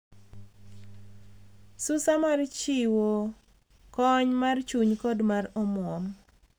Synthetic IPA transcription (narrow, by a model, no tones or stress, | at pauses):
sʊsamart͡ʃɪwo | kɔɲmart͡ʃuɲkɔdmarɔmwɔm